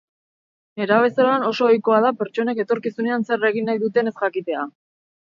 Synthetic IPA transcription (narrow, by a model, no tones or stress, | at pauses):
eɾaβe̞seɾoano̞so̞ːjko̞að̞ape̞ɾt͡ʃo̞neke̞t̪o̞ɾkisune̞anse̞re̞ɣ̞inːajðut̪e̞ne̞sʝakit̪e̞a